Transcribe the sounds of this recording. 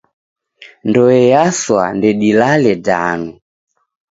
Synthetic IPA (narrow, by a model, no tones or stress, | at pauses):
ndɔɛjaswa̰ndɛɗilalɛda̰nu